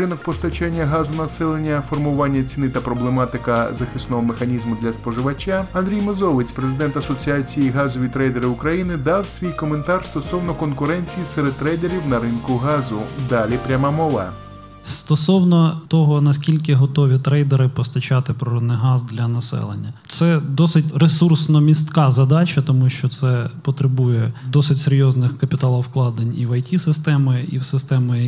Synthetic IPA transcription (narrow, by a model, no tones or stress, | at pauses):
ɾɪnɔk̚pɔst̪ɐt͡ʃanʲːɐɦɑzʊnɐsɛlˠenʲːɐfɔrmʊʋɑnʲːɐt͡sʲinɪt̪ɐpɾɔblˠemɑt̪ɪkɐzɐxɪsnɔɦɔmexɐnʲizmʊd̪lʲɐspɔʒɪʋɐt͡ʃʲaɐnd̪ʲɾʲijmezɔʋɪt͡sʲpɾezɪd̪ɛnt̪ɐsɔt͡sʲiat͡sʲijiɦɑzɔʋʲit̪ɾɛjd̪eɾɪʊkɾɐjinɪd̪ɑwsʲʋʲijkɔment̪ɑrst̪ɔsɔwnɔkɔnkʊɾɛnʲt͡sʲijiseɾed̪̚t̪ɾɛjd̪eɾʲiwnɐɾɪnkʊɦɑzʊd̪ɑlʲipɾʲɐmamɔʋɐ̰ | st̪ɔsɔwnɔt̪ɔɦɔnɐskʲilʲkɪɦɔt̪ɔʋʲit̪ɾɛjd̪eɾɪpɔst̪ɐt͡ʃɑt̪ɪpɾɔɾɔd̪nɪjɦɑzd̪lʲɐnɐsɛ̰lˠenʲːɐt̪sɛd̪ɔsɪtʲresursnɔmʲist̪kɑzɐd̪ɑt͡ʃɐt̪ɔmuʃt͡ʃɔt̪sɛpɔt̪ɾɪbujɛd̪ɔsɪtʲseɾʲjɔznɪxkɐpʲɪt̪ɑlˠɔwklˠɑd̪enʲiʋɐjtʲisɪst̪ɛmɪḭwsɪst̪ɛmʊjɐ